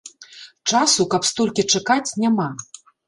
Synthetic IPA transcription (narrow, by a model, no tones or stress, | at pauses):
t͡ʂasukɐpst̪ɔlʲkʲit͡ʂakat͡sʲnʲama